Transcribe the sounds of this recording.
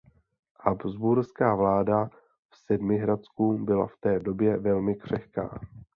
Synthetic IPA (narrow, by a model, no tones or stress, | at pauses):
habzbuɾskaːvlaːda | fsɛdmɪɦɾat͡skubɪla̰ft̪ɛːdo̞bjɛvɛlmɪkr̝̥ɛxka̰ː